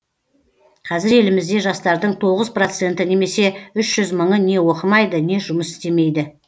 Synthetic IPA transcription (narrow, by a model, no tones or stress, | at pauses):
qʰɑzɪɾe̞lɪmɪzd̪e̞ʒɑst̪ɑɾd̪əɴt̪ʰo̞ʁəzpro̞t̪se̞nt̪ɪne̞me̞se̞ʏʃʒ̥ʏzməɴəne̞wo̞qəmɑjd̪əne̞ʒʊməsɪ̥st̪e̞me̞jd̪ɪ